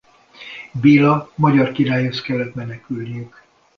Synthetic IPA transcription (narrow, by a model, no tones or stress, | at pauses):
biːlːɒmɒɟɒrkiɾaːjoskɛlːɛt̪mɛnɛkylnijyk